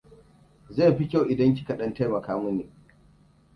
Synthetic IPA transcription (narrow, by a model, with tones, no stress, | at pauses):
za˦˨ɸi˦kʲa˦˨wʔɪ˨dɐ˦ŋk̬ʲi̥˦kɐ˨ɗɐ˦nta˦jmɐ˨kaː˦mʊ˦niː˨